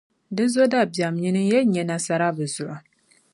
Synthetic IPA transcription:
dɨ˦zo˦da˦˨bja˨mɲi˦nɨ˦jɛ˦lɲɛ˨na˨sa˦ɾa˦bɨ˨zʊ˨ʔa˨

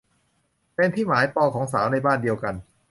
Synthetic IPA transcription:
pe˧nt̪ʰiː˥˩maː˩˦jpɔː˧kʰɔː˩˦ŋs̬aː˩˦wna˧jbaː˥˩ndi˧əwka˧n

